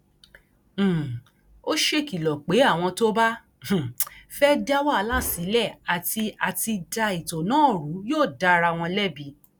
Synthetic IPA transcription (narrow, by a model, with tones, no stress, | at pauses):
o˦ʃe˦ki˨lɔ˨k͡pe˨˦a˦˨w̃ɔ̃˧to˦bã˦˨ | fɛ˦da˦wa˦˨˦la˦˨si˨˦lɛ˦˨a˨ti˧a˨ti˧da˧i˨to˨nãː˦˨ɾu˨˦joː˦˨da˧˦ɾa˧˨w̃ɔ̃˧lɛ˦bi˧˦